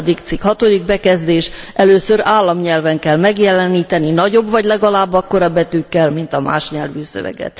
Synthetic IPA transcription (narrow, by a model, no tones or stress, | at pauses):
d̪ikt̪sikhɒt̪o̞d̪iɡ̚bɛkɛzd̪eːʃɛløːsøɾaːlːɒmɲɛlvɛŋkɛlmɛɡjɛlɛniːt̪ɛninɒɟo̞bvɒɟlɛɡɒlaːbːɒkːo̞ɾɒbːɛt̪ykːɛlmint̪ɒma̰ːʃɲɛlvyːsø̰vɛ̰ɡɛ̰t̪